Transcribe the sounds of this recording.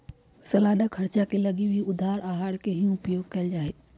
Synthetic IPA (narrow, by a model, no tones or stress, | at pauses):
sɐlaːɗəkʰɐɾt͡ʃakelɐɡibʱiʊd̪ʱaːɾaːɦaːɽkeɦĩʊpjoːɡ̚kɐəld͡ʒaːeː